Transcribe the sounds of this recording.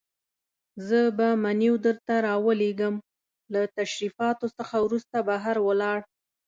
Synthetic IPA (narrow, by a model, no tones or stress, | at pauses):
zəbamaniwd̪əɾt̪aɾɑwəleɡəm | lat̪aʃɾifɑt̪osəxawɾust̪abaɦaɾwəlɑɽ